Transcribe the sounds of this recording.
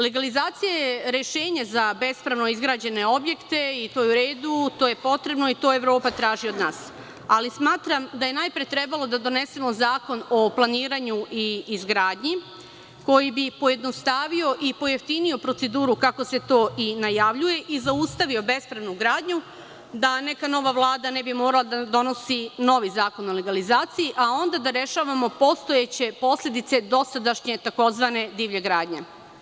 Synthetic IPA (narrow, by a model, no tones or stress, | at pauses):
le̞ɡalizaːt̪sijajeɾe̞ʃe̞ːɲezabe̞spɾaʋno̞izɡɾaːd͡ʑe̞ne̞o̞bje̞kt̪e̞it̪o̞ːjuɾe̞ːd̪ut̪oːje̞po̞t̪ɾe̞bno̞it̪o̞e̞ʋɾo̞ːpat̪ɾaːʒio̞d̪naːs | alismaːt̪ɾamd̪aje̞najpɾet̪ɾe̞balo̞d̪ad̪o̞ne̞se̞mo̞zaːko̞no̞plˠaniːɾaɲuiːzɡɾaːd̪ɲi | ko̞jibipo̞je̞d̪no̞st̪aːʋio̞ʔipo̞jeft̪inio̞pɾo̞t̪se̞d̪uːɾukako̞se̞t̪o̞ːʔinajaʋʎuje̞ʔizaust̪aʋio̞be̞spɾaʋnuɡɾaːd̪ɲu | d̪ane̞kano̞ʋaʋlˠaːd̪ane̞bimo̞ːɾalˠad̪ad̪o̞no̞sino̞ʋizaːko̞no̞le̞ɡalizaːt̪sijiʔao̞nd̪ad̪aɾe̞ʃaʋamo̞po̞st̪o̞jet͡ɕe̞po̞slʎʲe̞d̪it̪se̞d̪o̞sad̪aʃɲe̞t̪ako̞zʋane̞d̪iːʋʎe̞ɡɾaːd̪ɲe̞